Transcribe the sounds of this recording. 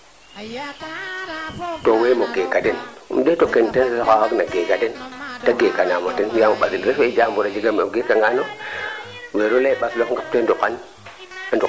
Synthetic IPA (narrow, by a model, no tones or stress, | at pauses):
towemoɡekaden | ṵmdetokentasakawaɡnaɡekadentaɡekanamotinjamoɓasilɾefeid͡ʒambuɾad͡ʒiɡameɡekaŋɡano | weɾolaiɓaslokŋɡap̚tendukːan | andu